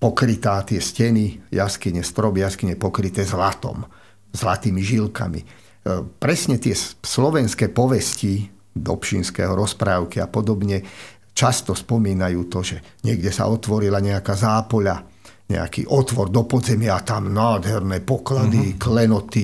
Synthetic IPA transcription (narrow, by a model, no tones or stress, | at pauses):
pɔkɾit̪aːt̪ɪɛscɛnijaskiɲɛst̪ɾɔbjaskiɲɛpɔkɾit̪ɛːzlat̪ɔ̰m | zlat̪iːmiʒilka̰mḭ | pɾɛsɲɛt̪ɪɛslɔʋɛnskɛːpɔʋɛsci | d̪ɔ̰pʃinskɛ̰ːɦɔɾɔspɾaːʊkia̰pɔd̪ɔbɲɛ | t͡ʃast̪ɔspɔmiːnajuːt̪ɔʒɛ | ɲɪɛɡɟɛsa̰ʔɔt̪ʋɔɾilaɲɛakaːzaːpɔʎa | ɲɛ̰a̰kḭːʔɔt̪ʋɔɾd̪ɔpɔd̪zɛmɪaːt̪amnaːd̪ɦɛɾnɛːpɔklad̪iklɛnɔt̪i